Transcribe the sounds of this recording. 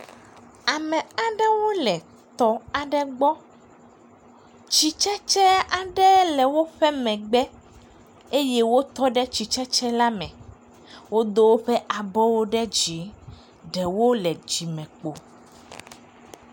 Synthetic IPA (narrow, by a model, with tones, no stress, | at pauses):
a˨mɛ̃˨a˨ɖɛ˦wo˦lɛ˨ | t̪ɔ˨a˨ɖɛ˦ɡ͡bɔ˦ | t͡ʃi˦t͡ʃɛ˦t͡ʃɛ˦a˨ɖɛ˦lɛ˨wo˦ɸɛ˦mɛ̃˨ɡ͡bɛ˦ | e˦jɛ˦wo˦t̪ɔ˦ɖɛ˦t͡ɕi˨t͡ʃɛ˦t͡ʃɛ˦la˦mɛ̰̃˨ | wo˦d̪o˦wo˦ɸɛ˦ʔa˨bɔ˦wo˦ɖɛ˦d͡ʑi˨˦ | ɖɛ˨wo˦lɛ˨d͡ʒi˨mɛ̃˨k͡po˨